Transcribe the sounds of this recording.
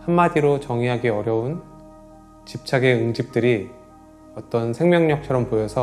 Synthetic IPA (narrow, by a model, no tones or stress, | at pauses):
hamːadiɾot͡ɕʌŋiɦaɡeʌɾjʌun | t͡ɕip̚t͡ɕʰaɡe̞ɯŋd͡ʑip̚t͈ɯɾi | ʌt͈ʌnsʰe̞ŋmjʌŋɲʌk̚t͡ɕʰʌɾʌmpojʌsʰʌ